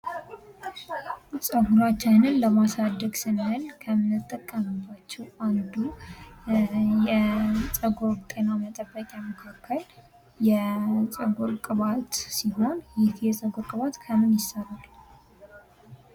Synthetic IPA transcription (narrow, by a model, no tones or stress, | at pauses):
sʼəɡuɾat͡ʃːanɨnləmasad̪ːəɡsɨnɨhɨlkʰəmɨnɨt̪ʼːəkʼːəməbːat͡ʃːɛwanɨd̪u | jɛsʼəɡo̞ɾt̪ʼe̞namət̪ʼəbːəkʼjaməkʰakʰːəl | jɛsʼəɡoɾkʼɨβat̪siɦo̞njɪhjɛsʼəɡoɾkʼɨβat̪kʰəmɨnjɪsəral